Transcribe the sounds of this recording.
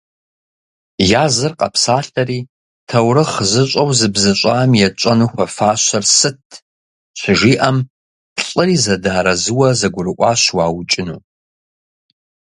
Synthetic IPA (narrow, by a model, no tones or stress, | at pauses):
jaːzɨrqʼɐ̰psaːɬɐriː | tʰɐwɾɨχəzɨɕʷʼɐwzɨbzɨɕʷʼaːmjɛt͡ʃʷʼɐnuxʷɐfaːɕɐrsɨtʰ | ɕʷɪʒiːʔɐm | pɬʼɨriːzɐdaɾɐzɨwɐzɐɡʷʊɾɨʔʷʼaːɕwaːwt͡ʃʼɪnṵː